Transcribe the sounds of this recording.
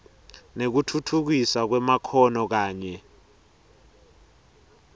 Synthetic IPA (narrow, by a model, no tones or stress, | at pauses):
nek̬utʰutʰuk̬isak̬wɛmakʰɔnɔk̬aːɲɛ